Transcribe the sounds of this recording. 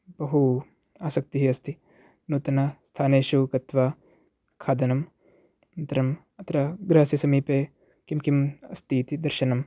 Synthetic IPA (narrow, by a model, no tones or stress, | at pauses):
bɐɦu | aːsɐk̚t̪iɦiɐst̪ʰi | nuːt̪ɐnɐst̪ʰaːneːʃukɐt̪ʋaː | kʰaːd̪ɐnɐm | ɐnt̪ɐɾɐm | ɐt̪ɐɾɐɡɾɐɦɐsjisɐmiːpeː | kimkimɐst̪iːt̪id̪ɐɾʃɐnɐm